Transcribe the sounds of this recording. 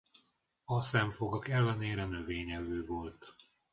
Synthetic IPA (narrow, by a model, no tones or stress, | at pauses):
ɒsɛɱfo̞ɡɒkɛlːɛneːɾɛnøveːɲɛvøːvolt̪